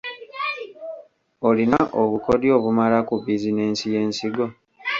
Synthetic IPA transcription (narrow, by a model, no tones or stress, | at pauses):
olinaʔoβukodjo̞ːβumalakubizine̞ːnsije̞ːnsiɡo̞